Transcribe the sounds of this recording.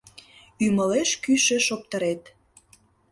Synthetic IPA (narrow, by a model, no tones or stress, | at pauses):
ymə̆leʃkyʃĕʃop̚t̪əɾet̪